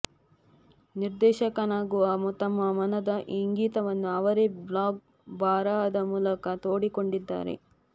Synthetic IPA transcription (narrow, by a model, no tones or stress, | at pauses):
niɾd̪ɛːʃɐkɐnaːɡuʋɐmut̪ɐmːɐmɐnɐd̪ɐʔiŋɡiːt̪ɐʋɐnːuɐʋɐɾeblaːɡ̚ | baːɾaɐd̪ɐmuːlɐkɐt̪oːɽikoɳɖid̪ːa̰ːɾḛ